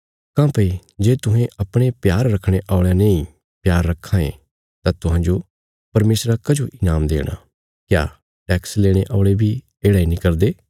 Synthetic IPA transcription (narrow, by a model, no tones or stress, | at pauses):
kãːpɐid͡ʒeːt̪ʊɦẽɐpɽ̃epjaːɾːɐkʰɽ̃eʔaːɭjaneĩ | pjaːɾːɐkʰːãḛ̃ | t̪ãt̪ʊɦãːd͡ʒo | pɐɾmeːsɾakɐd͡ʒoʔɪnaːmd̪ḛːɽ̃a̰ | kja̰ː | ʈɛːksleːɽ̃eʔɔːɭebʱi | eːɽaːinĩkɐɾd̪eː